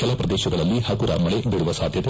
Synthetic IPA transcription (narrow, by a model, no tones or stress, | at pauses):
kɛlɐpɾɐd̪eːʃɐɡɐɭɐlːihɐkuɾɐ̰mɐɭebiːɽuʋɐsaːd̪ʱjɐt̪e